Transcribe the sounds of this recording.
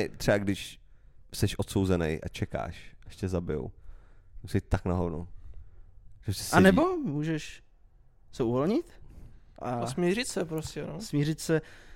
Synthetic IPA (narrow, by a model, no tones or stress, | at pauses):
ɛt̪r̥ɛaɡdɪʃ | sɛʃʔot̪sowzɛnɛ̰jʔa̰t͡ʃɛka̰ːʃɛʃcɛzabɪjo̰wmusɛit̪̚t̪ːaknaɦodnow | ʒ̥ɛsɛ̥sʔanɛbo̞muːʒɛʃ | sɛuvolɲɪt̪ʔasmʲirɪt̪sɛpɾoscɛnosmirɪt̪sɛ